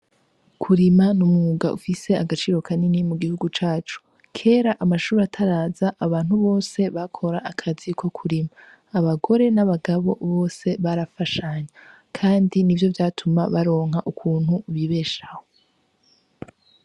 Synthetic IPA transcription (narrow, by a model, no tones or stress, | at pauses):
kʰuɾimanumŋuɡaʔṵfise̞aɡat͡ʃiːɾo̞kʰaninimuɡihuɡut͡ʃaːt͡ʃu̥ | kʰe̞ːɾaʔamaʃuːɾatʰaɾaːzaʔːβaːnhuβo̞ːse̞βakʰo̞ɾaʔːkʰazikʰo̞kʰuɾimaː | βaɡo̞ɾe̞naβaɡaβo̞̰βo̞ːse̞βaɾafaʃaɲa | kʰaːndinivjo̞vjaːtʰumaβaɾo̞ːŋ̥ɦaʔukʰuːn̥huβiβe̞ːʃah̞o